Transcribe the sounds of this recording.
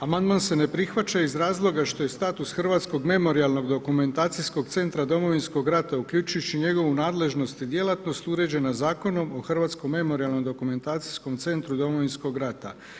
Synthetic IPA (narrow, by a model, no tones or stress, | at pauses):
amand̪manse̞ne̞pɾixʋat͡ɕaizɾaːzlˠo̞ɡaʃt̪o̞je̞st̪aːt̪usxr̩ʋaːt̪sko̞ɡme̞mo̞ɾialˠno̞ɡd̪o̞kume̞nt̪aːt̪sisko̞ɡt̪se̞nt̪ɾad̪o̞mo̞ʋinsko̞ɡɾat̪aukʎʲut͡ʃujut͡ɕiɲe̞ɡo̞ʋunaːd̪le̞ʒno̞st̪id̪je̞lˠat̪no̞st̪uɾe̞d͡ʑe̞nazaːko̞no̞mo̞xrʋaːt̪sko̞mːe̞mo̞ɾialˠno̞md̪o̞kume̞nt̪aːt̪si̥sko̞mt̪se̞nt̪ɾud̪o̞mo̞ʋinsko̞ɡɾat̪a